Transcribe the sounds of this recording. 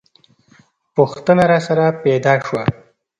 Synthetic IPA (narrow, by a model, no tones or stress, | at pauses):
puxt̪ənaɾɑsaɾapɛd̪ɑʃwa